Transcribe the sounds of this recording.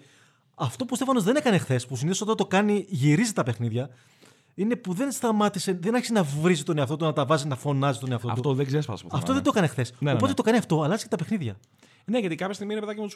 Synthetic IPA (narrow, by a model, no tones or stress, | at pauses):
ɐft̪o̞pust̪efɐno̞zðenekɐne̞xθe̞spusiniðiosofot̪t̪o̞kɐniʝiɾizit̪ɐpe̞xniðʝɐ | ine̞puðe̞nst̪ɐmɐt̪ise̞ðenɐɾçisenɐvɾizit̪o̞neɐft̪o̞t̪unɐt̪ɐvɐzinɐfo̞nɐzit̪oneɐft̪o̰t̪tut̪oðeɡzeɾsfpɐ̰spɐft̪oðed̪oekɐnexθe̞sopo̞tet̪o̞kɐniɐft̪o̞ɐlɐzi̥sket̪ɐpe̞xniðʝɐ | ne̞ʝɐt̪ikɐpçɐst̪iɣminepeðɐcimot̪us